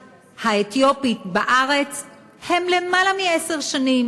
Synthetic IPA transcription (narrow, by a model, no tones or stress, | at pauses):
haet̪jo̞pit̪baʔaʁe̞t͡s | he̞mle̞malamiese̞ʁʃanim